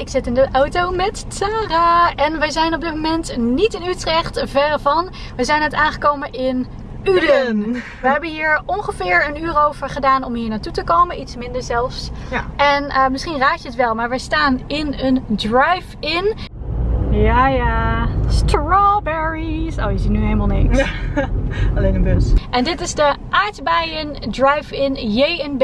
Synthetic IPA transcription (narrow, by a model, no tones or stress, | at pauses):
ɪksɪtɪndəʔawtowmɛttaraɛnʋəjzɛjnɔb̚dɪt̚momɛntnitɪnytrɛχtvɛrvɑn | ʋəjzɛjnətaːnχəkowmənʔɪn | yd | ʋəɦɛbənɦiːɹɔnχəvɪːɹənyːrowv̥əɹχədaːnɔmɦiːɹnaːtutəkowmənʔitsmɪndəɹzɛlˠfsɛnəmɪsχinraːkjəətʋɛlˠmaːɹʋəstaːnɪnəndɹajfɪn | jajastɹɔbɛɹiso̰wjəzitnyɦeləmalˠneks | ɑlenəbøsʔɛndɪtɪzdəʔaːɹtbɛjəndɹajfɪnjejənb